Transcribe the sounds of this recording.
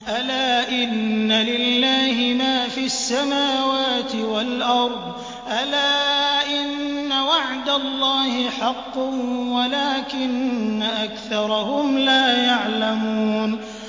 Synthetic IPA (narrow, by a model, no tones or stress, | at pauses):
ʔalaːʔɪnːalɪlːaːhɪmaːfiasːamaːwaːt̪ɪwalʔɑɾˤd̪ˤ | ʔalaːʔɪnːawaʕd̪alˤːɑːhɪħɑqːʊwalaːkɪnːaʔakθɑɾˤɑhʊmlaːjaʕlamuːn